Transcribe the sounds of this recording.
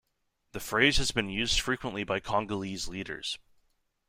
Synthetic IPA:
ðɨfɹeɪz̥hɨzbɨ̃njʉzd̥fɹikwə̃nʔlibaɪkʰɑ̃ŋɡəlizliɾə̰˞z̥

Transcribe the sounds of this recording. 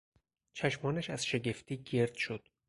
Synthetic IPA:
t͡ʃʰæʃmɒːnæʃæz̥ʃe̞ɡe̞ft̪ʰiːɟe̞ɾd̪̥ʃod̪̥

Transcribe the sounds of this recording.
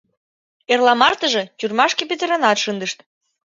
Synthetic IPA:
erlɑmɑrt̪ə̆ʒĕt͡ɕyrmɑʃkep̬et̪əɾənɑt̪ʃənd̪əʃt̪

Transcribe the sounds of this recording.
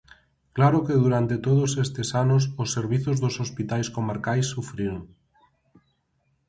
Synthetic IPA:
klaɾokeðuɾant̪et̪oðosest̪esanʊs̬osːeɾβ̞iθozðosospit̪ajskomaɾkajsːufɾiɾoŋ

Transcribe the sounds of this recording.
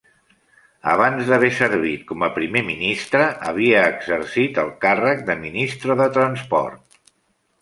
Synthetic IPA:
ə̰βanzðəβ̞ɛsəɾβ̞it̪̚kɔməpɾimeminist̪ɾəʔə̰β̞iəːɡzəɾsit̪əlˠkarək̚d̪əminist̪ɾəðət̪ɾənspɔ̰rt̪̚

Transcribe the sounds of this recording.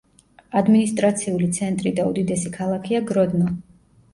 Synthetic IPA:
ad̪minist̪ʼɾat̪sʰiulit̪sʰɛnt̪ʼɾid̪aud̪id̪ɛsikʰalˠakʰiaɡɾɔd̪nɔ

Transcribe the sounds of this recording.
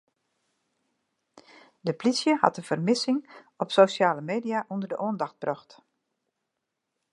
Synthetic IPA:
dəplisjəhɑ̰tənv̥ərmɪsɪŋ | ɔpsoːʃjaːləmeːdijaʔundərdəʔoəndɑxt̚b̥rɔxt

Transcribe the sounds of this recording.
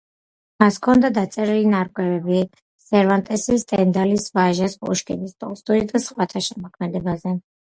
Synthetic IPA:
maskʰɔnd̪ad̪at̪sʼɛɾilinaɾkʼwɛvɛbi | sɛɾvant̪ʼɛsist̪ʼɛnd̪alisvaʒasʼuʃkʼinist̪ʼɔ̰lˠst̪ʼuɾid̪asχwat̪ʰaʃɛmɔkʰmɛd̪ɛbazɛ

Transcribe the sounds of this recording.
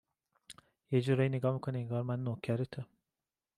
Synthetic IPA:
jed͡ʒuɾɒjineɡɒːmikʰoneeŋɡɒːɾmænːocʰæɾet̪ʰo

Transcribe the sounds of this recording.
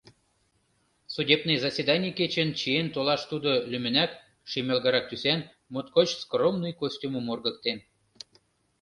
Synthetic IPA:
sudʲebnejzɑsʲed̪ɑnʲiket͡ɕənt͡ɕient̪olɑʃt̪ud̪olymə̆næk | ʃimʲelɣɑɾɑk̚t̪ysæn | mot̪̚kot͡ɕskromnujkosʲtʲuməmorɣə̆k̚t̪en

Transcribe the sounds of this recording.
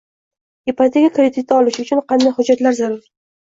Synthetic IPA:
ipat̪ʰekʲakɾed̪ɪt̪̚ːaɒlɪʃʊt͡ʃʰʊnqɑnd̪ajhʊd͡ʒːat̪laɾzaɾʊɾ

